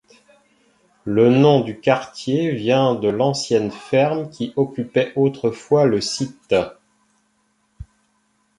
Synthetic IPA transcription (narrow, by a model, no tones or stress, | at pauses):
lənɔ̃d̪ykaʁt̪jevjɛ̃d̪əlɑ̃sjɛnfɛʁmkʲʰiʔɔkʲypɛʔot̪χəfwaləsit̪